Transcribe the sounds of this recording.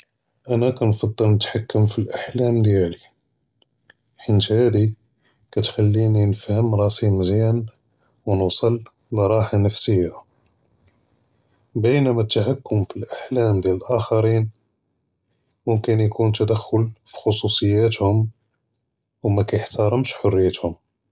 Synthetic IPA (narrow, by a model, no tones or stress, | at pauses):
ʔænækænfɑd̪ˤːəlnət̪ħakːəmfilʔaħlæmd̪jæli | ħənt̪hæd̪i | kæt̪xalːininəfhəmɾˤɑsimzjæn | wnusˤəl | lɾˤɑħanəfsəjːa | bəjnæmæt̪ːaħakːʊmfilʔaħlæmd̪jæləlʔæxɑɾin | mʊmkənjkunt̪æd̪æxːʊlfi̥xosˤusˤəjːæt̪hʊm | wmækæjəħt̪ɑɾˤəmʃħʊrːijːæt̪hʊm